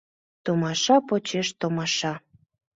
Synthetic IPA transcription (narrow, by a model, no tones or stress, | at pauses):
t̪omɑʃɑpot͡ɕeʃt̪omɑʃɑ